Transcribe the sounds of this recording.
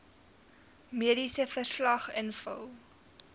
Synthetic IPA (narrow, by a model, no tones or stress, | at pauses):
miədisəfərslɐχənfə̰lˠ